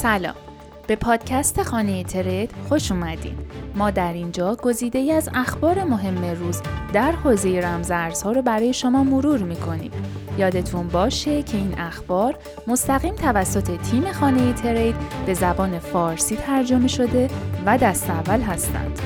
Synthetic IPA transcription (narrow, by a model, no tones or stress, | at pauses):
sælɒ̰ːm | b̥e̞pʰɒːd̪̥cʰæst̪ʰe̞xɒːne̞jet̪ʰe̞ɾe̞jd̪̥xo̞ʃuːmæd̪ḭːdmɒːd̪æɾind͡ʒɒːɡ̥o̞ziːd̪e̞jiæzæxbɒːɾe̞mo̞ɦe̞mːe̞ruːzd̪æɾhoːze̞je̞ɾæmzæɾz̥hɒːɾobæɾɒːje̞ʃomɒːmoɾuːɾmiːkʰo̞nḭːd̪̥ | jɒːd̪e̞t̪ʰunbɒːʃe̞cʰe̞iːnʔæxbɒːɾ | mo̞st̪æɣiːmt̪ʰævæsːo̞t̪ʰe̞t̪ʰiːme̞xɒːne̞jet̪ʰe̞ɾejd̪b̥e̞zæbɒːne̞fɒːɾsiːt̪ʰæɾd͡ʒo̞me̞ʃo̞d̪e̞væd̪æst̪eævːælɦæst̪æ̰nd̪̥